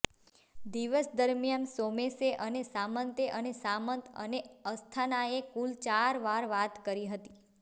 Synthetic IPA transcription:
d̪iʋəsd̪əɾmjansomeseʔənesamənt̪eʔənesamənt̪ə̰neəst̪ʰanaekult͡ʃaɾʋaɾʋat̪kəɾiɦət̪i̥

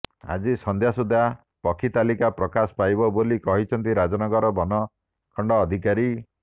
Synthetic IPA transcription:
a̰d͡ʒisɔnd̪ʱjasud̪a | pɔkʰːit̪alikapɾɔkasɔ̥pajbɔbolikɔɦit͡ʃʰɔnt̪iɾad͡ʒɔnɔɡɔɾɔbɔnɔ | kʰɔɳɖɔːd̪ʱikaɾi

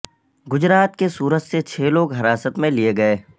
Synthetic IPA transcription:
ɡʊd͡ʒɾaːt̪kesuːɾəd͡ʒset͡ʃʰeːloːɡɦɐɾaːsət̪mẽlieɡɐeː

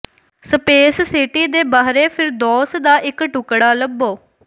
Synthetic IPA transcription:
səpeːssɪʈiːd̪eːbaːɦɾeːpʰɪɾd̪ɔːsd̪aːʔɪkʈʊkɽaːləbːoː

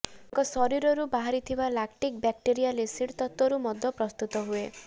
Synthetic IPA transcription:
ŋkɔsɔɾiɾɔɾubaɦaɾit̪ʰibalakʈik̚bak̚ʈiɾijalesiɽt̪ɔt̪wɔɾumɔd̪ʱːɔpɾɔst̪ut̪ɔɦue

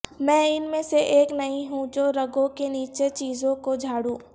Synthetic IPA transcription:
mɛ̃ːɪnmẽseʔeːknɐĩɦũd͡ʒoɾɐɡõkeniːt͡ʃet͡ʃiːzõkod͡ʒʱaːɽũː

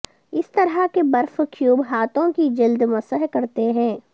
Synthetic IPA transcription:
ɪst̪ɐɾakebɐɾfkʰjuːbɦaːt̪õkid͡ʒɐld̪mɐsəɦkɐɾt̪eɦɛ̃ː

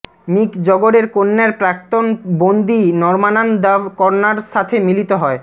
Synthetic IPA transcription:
mikd͡ʑɔɡoɽeɾkonːeɾpɾak̚t̪onbond̪inɔɾmanand̪abkɔɾnaɾʃat̪ʰemilit̪oɦɔe

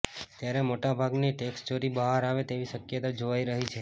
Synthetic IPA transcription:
t̪jaɾemoʈabʱaɡniʈeksʈt͡ʃoɾibəɦaɾaʋet̪eʋiʃəkjət̪ad͡ʒoʋaiɾəɦit͡ʃʰe

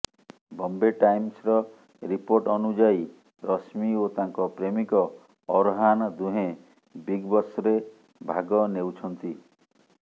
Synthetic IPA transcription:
bɔmbeʈajmsɾɔ | ɾipoɾʈɔnud͡ʒai | ɾɔsmiot̪aŋkɔpɾemikɔː | ɾɦand̪uɦẽ | biɡbɔsɔɾe | bʱaɡɔnewt͡ʃʰɔnt̪i

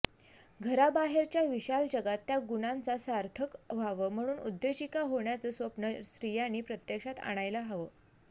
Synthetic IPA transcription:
ɡʱəɾabaɦeɾt͡ɕjaʋiɕald͡ʑəɡat̪ːjaɡunant͡sasaɾt̪ʰəkʋ̤aʋəm̤əɽ̃uːnṵd̪jod͡ʑikaɦoɳjat͡səːsʋəpnəsɾijañiːpɾət̪jəkʂat̪a̰ɽ̃ajlaɦaʋəː

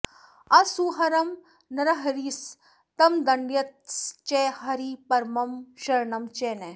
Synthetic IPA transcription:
ɐsuːɦɐɾɐm | nɐɾɐɦɐɾiːs | t̪ɐmd̪ɐɳɖjɐt̪st͡ʃeɦɐɾipɐɾmɐmʃɐɾnɐmt͡ʃeːne

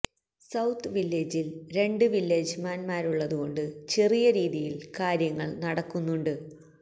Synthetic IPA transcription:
sɐwt̪ʰːɨʋilːeːd͡ʑilɾe̞ɳɖɨʋilːeːd͡ʑɨmaːnmaːɾuɭːɐðuɣo̞ɳɖɨt͡ɕerijɐɾiːðijilkaːɾjɐŋːɐɭnɐɽɐkːunːuɳɖɨ

